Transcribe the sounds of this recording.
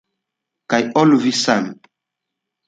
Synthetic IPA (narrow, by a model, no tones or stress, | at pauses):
kajoluvisan